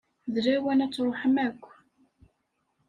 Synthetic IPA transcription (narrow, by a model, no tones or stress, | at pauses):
ðɾæwænæt͡sːɾˤoħəmækʷː